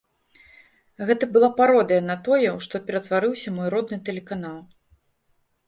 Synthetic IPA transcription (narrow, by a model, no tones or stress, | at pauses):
ɣɛt̪ɐbɨlˠapaɾɔd̪ɐjɐnɐt̪ɔjɛwʂt̪ɔpʲɛɾɐt̪vaɾɨwsʲɐmɔjɾɔd̪̚nɨt̪ɛlʲɛkanalˠ